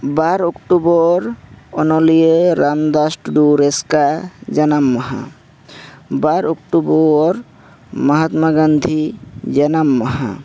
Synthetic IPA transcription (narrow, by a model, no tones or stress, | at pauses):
baɾokʈubɔɾɔnɔlijəɾamd̪asʈɖuɾeskad͡ʒənamːɔɦa̰ | baɾokʈubɔɾ | məɦat̪maɡənd̪ʱid͡ʒənamːəɦa̰